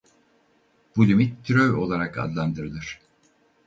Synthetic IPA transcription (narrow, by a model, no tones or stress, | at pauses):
b̥ulʲymit̪ːɾøjo̞lˠaɾaka̰d̪lˠand̪ɯɾɯlˠɯɾ̥